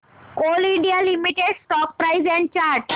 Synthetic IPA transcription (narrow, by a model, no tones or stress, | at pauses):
koliɳɖijalimiʈeɽsʈɔk̚pɾaizɛ̃ɳɖ̚t͡ɕaɾʈ